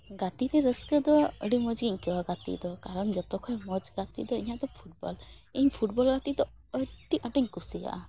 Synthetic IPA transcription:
ɡat̪iɾɛɾəskəd̪ɔə̰ɖimɔd͡ʒɡiɲkɛwaɡat̪ḭʔd̪ɔkaɾɔnd͡ʒɔt̪ɔkʰɔjmɔd͡ʒɡat̪ḭd̪ɔiɲad̪ɔpʰuʈ̚bɔ̰l | iɲpʰuʈbɔlɡat̪id̪ɔ | əɖiaʈiɲkusiɡa̰ʔa

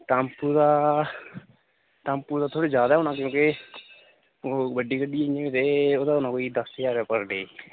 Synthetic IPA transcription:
ʈampuːd̪aː | ʈãːmpuːd̪aːt̪ʰoːɽeːd͡ʒjaːd̪aɛːʊnãːkjõːkɪ | bəɖiːkəɖiːɪẽːʋet̪eːoːd̪aːʊnãːkoːiːd̪əsjaːɾɛːpəɾɖeː

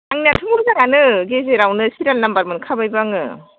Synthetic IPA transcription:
aŋnatʰɯmɯzaŋanɯɡezeɾawnɯsiɾalnambaɾmɯnkʰabajbaŋɯ̰

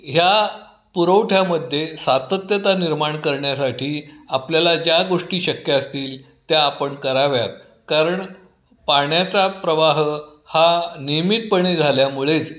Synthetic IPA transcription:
ɦja | puɾəʋʈʰjaməd̪ʱːjesat̪ət̪jət̪aniɾmaɳkəɾɳjasaʈʰiːapljalad͡ʑjaɡoʂʈiːɕəkjaəst̪iːl | t̪jaːpəɳkəɾaʋjat̪̚ | kaɾəɳ | paɳjat͡sapɾəʋaɦ | hanimit̪̚pəɳid͡zʱaljamuɭet͡s

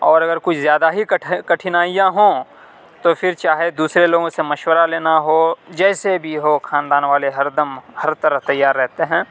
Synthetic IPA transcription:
ɔːɾɐɡəɾkʊt͡ʃʰzjaːd̪aɦikɐʈkɐʈʰɪnaːijãɦõː | t̪ofʰɪɾt͡ʃaːɦed̪uːsɾeloːɡõsemɐʃwəɾaleːnaɦod͡ʒɛːsebʱiɦokʰaːnd̪aːnʋaːleɦɐɾd̪əmhɐɾt̪ɐɾəft̪ɐjːaːɾːɛɦt̪eɦɛ̃ː

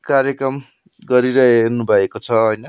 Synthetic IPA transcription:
kaɾjʌkrʌm | ɡʌɾiɾʌɦernubʱʌekot͡sʰʌɦʌjnʌ

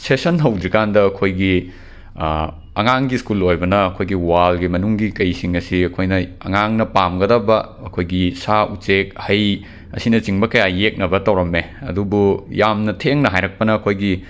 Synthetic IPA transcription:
sesɐnɦɐwdɾikandɐːɐkʰojɡi | ɐ̰ŋaŋɡiskulojbɐnɐɐkʰojɡiwalɡimɐnuŋɡikɐjsiŋɐsiɐkʰojnɐɐ̰ŋaŋnɐpamɡɐdɐbɐ | ɐkʰojɡisaut͡ʃek̚hɐj | ɐ̰sinɐt͡ʃiŋbɐkɐjajek̚nɐbɐtɐwɾɐmːeɐ̰dubujamnɐtʰeŋnɐɦajɾɐk̚pɐnɐːkʰojɡi

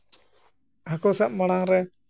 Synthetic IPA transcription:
ɦakɔsaʔ̚maɽ̃aŋɾɛ

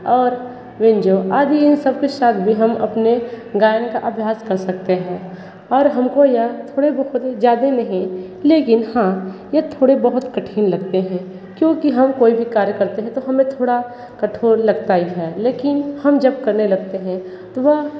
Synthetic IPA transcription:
ɔːɾ | ʋɪ̃nd͡ʒoːaːd̪iɪnsɐb̚kesaːt̪ʰbʱiɦɐmɐ̰pneɡaːjənkaʔɐbʱjaːskɐɾsɐk̚t̪eɦɛ̃ː | ɔːɾɦɐmkojɐt̪ʰoːɽebɐɦʊt̪zjaːd̪enɐɦĩ | leːkɪnhãjɐt̪ʰoːɽebɐɦʊt̪kɐʈʰiːnlɐɡt̪eɦɛ̃ | kjõːkiɦɐmkoːibʱikaːɾjəkɐɾt̪eɦɛ̃t̪oɦɐmẽt̪ʰoːɽa | kɐʈʰoːɾlɐɡt̪aiɦɛːleːkɪnhɐmd͡ʒɐb̚kɐɾnelɐɡt̪eɦɛ̃ | t̪oʋɐɦ

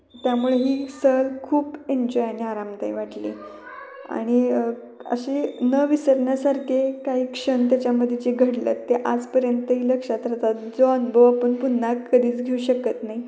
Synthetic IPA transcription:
t̪jamuɭeɦiːsəlkʰuːpeɲd͡ʑɔjaniaɾamt̪aiʋaʈlḭː | a̰ɽ̃i | ə̰ɕenəʋisəɾɳjasaɾkʰekaɦiːkʂənt̪jat͡ɕjaməd̪ʱjet͡ɕiɡʱəɽlə̰t̪ːeʔad͡zpəɾjənt̪əɦiːləkʂat̪ɾət̪at̪d͡zoənbʱəʋapəɳpunːakːəd̪ʱiːt͡sɡʱeuɕəkət̪naɦi

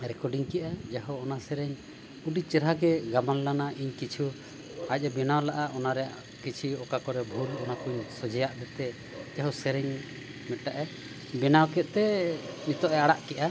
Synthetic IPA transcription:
ɾɛkɔɖiŋkɛʔad͡ʒaɦɔɔnasɛɾɛɲ | uɖit͡ʃɛɾɦaɡɛɡamanlanaʔiɲkit͡ʃʰu | ac̚ˀabɛnawlaʔaʔɔnaɾɛjaʔ | kit͡ʃʰiɔkakɔɾɛbʱulɔnakuɲsɔd͡ʒɛjaʔd̪ɛt̪ɛ | d͡ʒaɦɔsɛɾɛɲ | mɛt̪̚ʈaʔɛ | bɛnawkɛt̪̚t̪ɛnit̪ɔʔɛaɽaʔkɛʔa

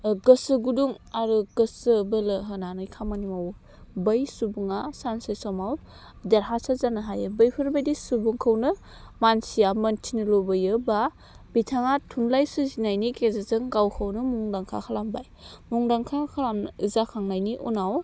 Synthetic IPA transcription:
ɡɯsɯɡuduŋaɾuɡəsɯbɯlɯɦɯnanɯjkʰamanimaw | bəjsubuŋasansesɔmaw | deɾɦasazanaɦajɯbɯjpʰɯɾbajdisubuŋkʰɯwnɯ | mansijamɐntʰinɯlobɯjɯba | bitʰaŋatʰunlajsɯzinajnikʰezazɯŋɡawkʰəwnɯmuŋdaŋkʰa̰kʰalambaj | muŋdaŋkʰakʰalamɯzakʰaŋnajniʔunaw

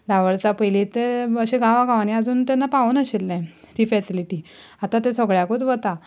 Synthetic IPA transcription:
d̪aʋəɭt͡sapəjlit̪eəɕeɡaʋaɡaʋaniad͡zuːnt̪anːapaunəɕelːɛ̃ | t̪iːfɛsiliʈiː | at̪at̪esəɡɭjakot̪ʋət̪a

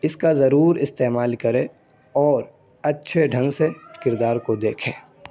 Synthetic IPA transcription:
ɪskazɐɾuːɾɪst̪eːmaːlkɐɾẽ | ɔːɾ | ɐtːʃʰeɖʱɐ̃ŋɡsekɪɾd̪aːɾkod̪eːkʰḛ̃ː

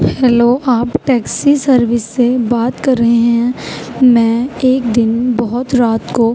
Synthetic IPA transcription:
hɛːloːʔaːpʈɛːksisɐɾʋɪsːebaːt̪kɐɾːəɦeɦɛ̃mɛ̃ːeːk̚d̪ɪnbɔɦʊt̪ɾaːt̪ko

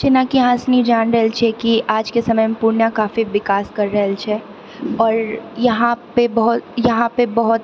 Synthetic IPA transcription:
t͡ʃenakiɐɦãsnid͡ʒaːnɾəɦɛlt͡ʃʰɛkiʔaːd͡ʒkesɐməjmepuːɾnjakaːfiʋɪkaːskɐɾːɐɦɛlt͡ʃʰɛ | ɔːɾjɐɦãpebɐɦʊt̪jɐɦãpebɐɦʊt̪

